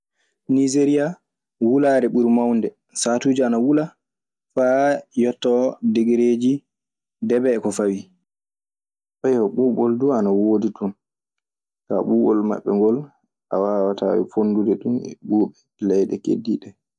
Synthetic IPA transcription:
nizeɾia | wulaːɾɛɓuɾmawndɛ | saːtuːd͡ʒianawula | fajɔtːɔdeɡeɾeːd͡ʒi | dɛbɛːkɔfawi | ɓɛjɔɓuɓɔlduanawoːditun | ka̰ɓuːɓɔlma̰ɓːɛ̰ŋɡɔl | ʔa̰wawata̰wḭfonːdudɛɗunɛ̰ɓuːɓɛ | lɛjɗɛkḛdːiɗɛ

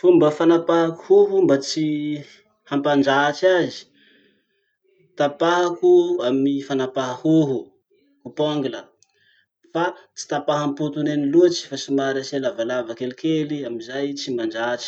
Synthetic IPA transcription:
fumbəfanapaɦaku̥huɦumbat͡si | hampand͡ʒat͡ʃazi̥ | t̪apaɦakuamifanapaɦahuɦu | kupaŋɡilə | fat͡si̥t̪apaɦamput̪uneniluat͡ʃi̥fasimaɾaselavalavakelikeliamizajt͡simand͡ʒat͡ʃi̥

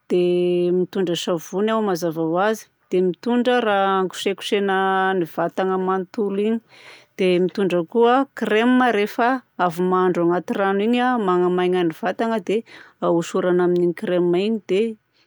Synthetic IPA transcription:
d̪̥emit̪uɳɖ͡ʐəʃavunawmazavawazi̥d̪̥emit̪uɳɖ͡ʐəɾaaŋku̥ʃeku̥ʃenəniv̥at̪aŋəmant̪uliɲid̪̥emit̪uɳɖ͡ʐəkuəkremməɾefəavumaaɳɖ͡ʐaŋat̪iraniɲamaŋamajɲaniv̥at̪aŋəd̪eauʃuɾanaminikɾemːaiɲid̪̥e

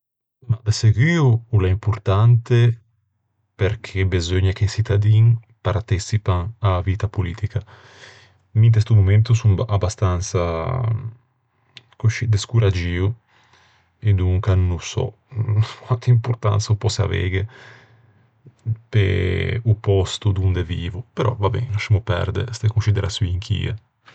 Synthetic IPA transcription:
mad̪eseɡwiuulaimpuɾt̪ant̪e | peɾkʰebezøɲak̟esit̪ad̪iŋ | paɾt̪isipaŋavit̪apulḭːt̪ika | mint̪est̪umument̪usuŋabast̪ansa | kuʃid̪eskuɾad͡ʒiu | ed̪uŋkanusɔ̰ | kwant̪impuɾt̪a̰nsaupɔsea̰vɛ̰ɡe | pḛupɔst̪ud̪und̪eviːvupeɾʔɔ̰vabɛ̰ŋaʃimupɛ̰ɾd̪ḛst̪ekunsid̪eɾasiŋkʰḭːa̰

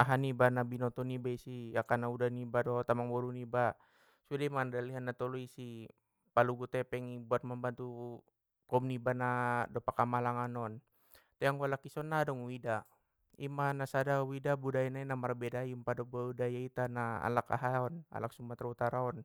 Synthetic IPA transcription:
aɦanibanabinɔt̪ɔnibaisiakanaudanibadɔt̪amaŋbɔɾuniba | sudaimandaliɦanːat̪ɔluisi | paluɡut̪ɛpɛŋibuat̪̚mambant̪u | kɔmnibanadɔpakamalaŋanɔn | t̪ɛjaŋɡualakisɔnːadɔŋwida | imanasadawidabudajanainamaɾbɛdajumpadɔbaudajait̪anaa̰laka̰ɦaɔna̰lak̚sumbat̪arut̪aɾaɔn

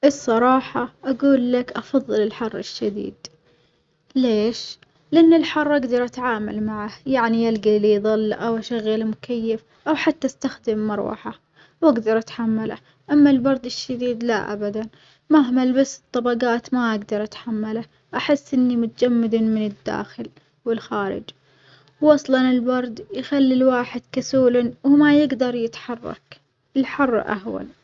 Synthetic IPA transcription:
ʔɨsˤːɑɾˤɑːħɑʔaɡuːlːakʔɑfɑðˤːɨlɪlħɑrˤːɪ̰ʃːad̪ḭːd̪ | leːʃ | lɪʔanːɪlħɑrˤːʔaɡd̪ɑɾˤʔat̪ʕaːma̰lmaʕahjaʕnijalɡiliðˤɨlːʔawʔaʃaɣːalmʊkajːɪf | ʔawħat̪ːast̪axd̪ɪmːɑɾˤwɑ̰ħa | waɡd̪ɑɾˤʔat̪ħamːala | ʔamːalbɑɾˤd̪ɪʃːad̪iːd̪la̰ʔa̰bad̪an | maɦmalbasɨ̥t̪ˤːɑbɑɡaːt̪maʔaɡd̪ɑɾˤʔat̪ħamːala | ʔaħɪsːʔɪnːimʊt̪ad͡ʒamːɪd̪amɪnɪd̪ːa̰ːxɪl | wɪlxaːɾɪ̰d͡ʒ | wːɑsˤlɑnɪlbɑɾˤd̪jxalːilwaːħɪd̪̥kasuːlnwɪmajɪɡd̪ɑɾˤjɪt̪ħɑrˤːɑ̰k | ɪlħʊrˤːʔa̰ɦwa̰n

